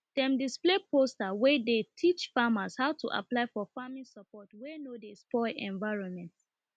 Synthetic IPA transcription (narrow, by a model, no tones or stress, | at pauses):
d̥ɛ̃mdisplepʰostawɛdetʰit͡ʃfamaz̥haʊtʰuʔa̰plaɪfɔfamĩsapɔtwenodespɔʔɛ̃ɱvaɪɹɔ̃nmɛ̃nts